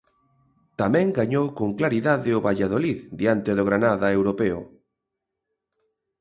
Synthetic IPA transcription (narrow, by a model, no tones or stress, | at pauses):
t̪amɛ̃ŋɡaɲowkoŋklaɾiðaðeʊβaʎaðoliðd̪jant̪eðoɣɾanaðaewɾopeʊ̰